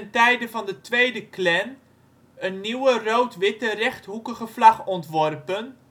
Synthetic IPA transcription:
ntɛjdəvɑndətʋejdəklɛn | ənːiwərowtʋɪtərɛχtɦukəχəv̥lɑχɔntʋɔrpən

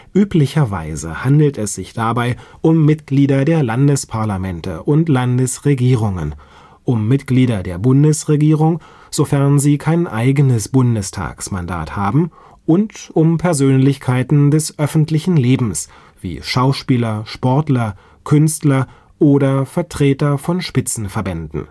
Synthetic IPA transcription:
ʔyːplɪçɐva̰ɪzə̰handl̩tɛsz̥ɪçd̥abaɪʔʊmːɪtɡ̥liːdɐdeːɐlandəspʰaɐlamɛntə̰ʔʊntlandəsʁeɡiːʁ̞ʊŋə̰n | ʔʊmːɪtɡ̥liːdɐdeːɐbʊndəsʁeɡiːʁʊŋ | z̥ofɛɐnziːkʰaɪnʔaɪɡənəsb̥ʊndəstʰa̰ːksma̰nda̰ːthaːbm̩ | ʔʊntʊmpʰɛɐzøːnlɪçkʰaɪtn̩dɛsʔœfn̩tlɪçn̩leːbm̩s | v̥ḭːʃaʊʃpiːlɐʃpɔɐtlɐ | kʰʏnstlɐ | ʔoːɾɐfɛɐtʁ̥eːtɐfɔnʃpɪt͡sn̩fɛɐbɛndn̩

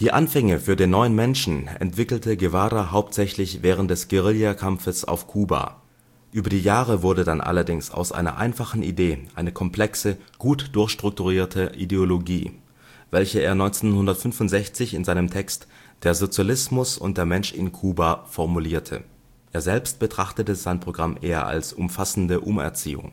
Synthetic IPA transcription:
d̥iːʔanfɛŋəfyːɐdeːnːɔʏənmɛnʃn̩ɛ̰ntv̥ɪkl̩tʰəɡevaːɾaɦaʊp̚tz̥ɛçlɪçvɛːʁ̞əntd̥ɛsɡ̥eʁɪljakʰamfəsa̰ʊfkʰuːba̰ | ʔyːbɐdiːjaːʁəvʊɐdədanʔa̰lɐdɪŋsa̰ʊsʔa̰ɪnɐ̰ʔa̰ɪnfaχn̩ʔḭdeːʔaɪnəkʰɔmpl̥ɛksəɡ̥uːtd̥ʊɐçʃtʁ̥ʊk̚tuʁiːɐtʰəʔideoloɡiː | vɛlçəeːɐnɔʏnt͡senhʊndɐtfʏnfʊntz̥ɛçt͡sɪçɪnzaɪnəmtʰɛkstd̥eːɐzot͡sjalɪsmʊsʊ̰nt̚d̥eːɐmɛnʃɪ̰nkʰuːbafɔɐmuliːɐtʰə̰ | ʔeːɐzɛlpst̚b̥ətʁ̥aχtətəz̥aɪnpʁ̥oɡʁamʔeːɐ̰ʔa̰lsʔʊmfasn̩dəʔʊmɛ̰ɐt͡sḭːʊ̰ŋ

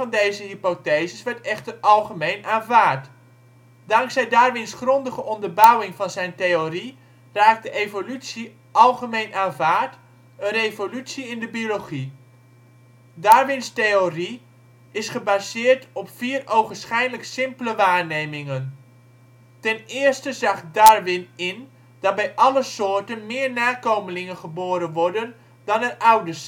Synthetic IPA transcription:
vɑndejzəɦipotejzəsʋɛɹtɛχtəɑlˠχəmejnʔaːnvaːɹt | dɑŋksɛjdaːɹʋɪnsχrɔndəχəʔɔndəɹbœwɪŋvɑnzɛjntejori | raːk̚dəʔejvolytsi | ʔɑlˠχəmejnʔaːnvaːɹt | ənrejvolytsiɪndəbioloχi | daɹʋɪnstejori | ɪsχəbazɪːɹtɔpfiːrowχənsχɛjdələksɪmpləʋaːɹnejmɪŋən | tɛnɪːəɹstəzɑχdaːɹʋɪnɪn | d̥ɑt̚bɛjʔɑləsʊːɹtənmɪːɹnaːkowməlɪŋənχəboːɾənʋɔɹdən | dɑnətawdəs

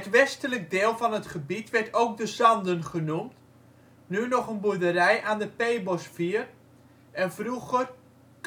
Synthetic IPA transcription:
ətʋɛstələk̚dɪːlˠvɔnətχəbitʋɛrtoːk̚dəzɑndənχənumt | nynɔχənbudərɛjʔaːndəpejbosfiər | ʔɛnfruɣər | k

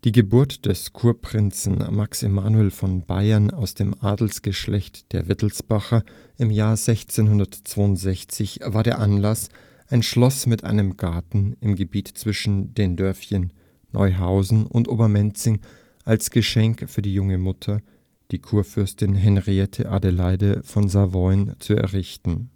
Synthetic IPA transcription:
d̥iːɡəbʊɐtd̥ɛskʰuːɐpʁ̥ɪnt͡sn̩maksɪmaːnuɛlfɔnba̰ɪɐnaʊsd̥eːmʔaːdl̩sɡ̥əʃlɛçtd̥eːɐvɪtl̩sb̥aχɐ | ʔɪmjaːɐzɛçt͡seːnɦʊndɐtt͡sv̥aːʊntz̥ɛçt͡sɪçv̥aːɐɾeːɐʔanlas | ʔaɪnʃlɔsmɪtʔa̰ɪnəmɡaɐtn̩ɪmɡəbiːtt͡sv̥ɪʃn̩deːndœɐfçənː | ʔɔ̰ʏɦaʊzn̩ʊ̰ntʔoːbɐmɛnt͡sɪŋ | ʔalsɡ̥əʃɛŋkfyːɐdiːjʊŋəmʊtʰɐ | d̥iːkʰuːɐfʏɐstɪnɦɛnʁiɛtʰə̰ʔa̰delaɪdəfɔnzavɔʏnt͡suɛ̰ɐʁɪçtn̩

